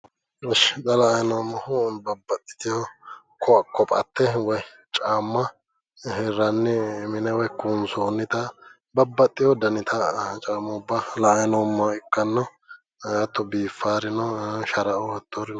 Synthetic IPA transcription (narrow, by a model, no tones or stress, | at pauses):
ɐʃt̪ʼɐlɐɐjnɔmːɐhʊnbɐbːɐt̪ʼːɪ̥t̪ɪjɔ | kɔkːɔpʼɐ̰t̪ːɛwɔj | t͡ʃʼaːmːɐ | hɛrːɐnːɪmɪnɛwɔjkunsoːnːɪt̪ɐ | bɐbːɐt̪ʼːɪjɔd̪ɐnɪt̪ʰɐt͡ʃʼaːmːɐʊbːɐlɐʔɐjnɔmːɐɪkːɐnːɔ | jɐt̪ːɔbiːfːaːɾɪnɔʃɐɾɐʔɔwɐt̪ːoɾɪn